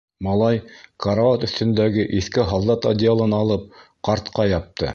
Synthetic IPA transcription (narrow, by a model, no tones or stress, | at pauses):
mɑlˠɑjkʰɑɾavat̪ɵ̆θt̪ɵ̆nd̪æɡɘʔiθkɘɦɑlˠd̪ɑt̪ɐd̪ʲɪalˠɤnɑlˠɤp̚ | qɑɾt̪qɑjɑp̚t̪ɤ